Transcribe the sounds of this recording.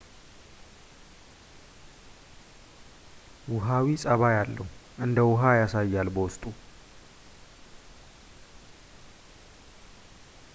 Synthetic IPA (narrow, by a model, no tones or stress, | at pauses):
wʊɦawisʼəβajalːəhuʔɨnd̪əwʊɦajasajːalbəwʊst̪ʼu